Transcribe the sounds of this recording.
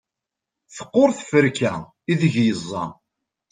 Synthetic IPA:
θə̥qːoɾˤθfəɾkæ | iðəʝjəzˤːɑ̰

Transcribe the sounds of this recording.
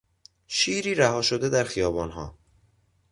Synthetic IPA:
ʃiːɾiːɾæhɒːʃod̪ed̪æɾxijɒːbɒːnɦɒ̰ː

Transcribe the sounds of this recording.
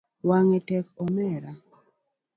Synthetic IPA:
waŋɛtɛkɔmɛɾa

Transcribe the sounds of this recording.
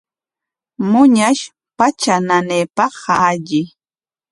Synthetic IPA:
mʊɲaʃ | pat͡ʃananeːpɑχaːʎɪ

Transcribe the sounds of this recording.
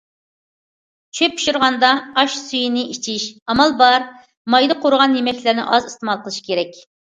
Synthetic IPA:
t͡ʃʰøpu̥ʃuɾʁɑnd̪ɑːʃsyjinɪit͡ʃʰiʃɑmɑlˠbɑɾ | mɑjd̪ɨqʰoɾʊʁɑnjemɛkʲlɪɾnɪ̰ʔɑzɨst̪ɨmɑlˠqəlˠɨʃi̥kʲʰeɾɛk̚ʲ

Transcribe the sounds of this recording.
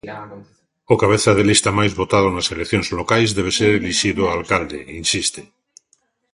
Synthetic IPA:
okaβ̞eθað̞elist̪amajzβot̪að̞onaselekθjonzlokajzðeβ̞eseɾeliʃiðoalkald̪ḛinsist̪e

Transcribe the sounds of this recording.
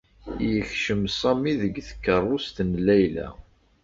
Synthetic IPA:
jəçʃəmsˤɑmiðəɡθə̥kːərˤːost̪nlæjlæ̰

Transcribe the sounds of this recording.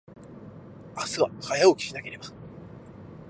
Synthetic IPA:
asɨβahajao̞kʲi̥ɕinake̞ɾe̞ba

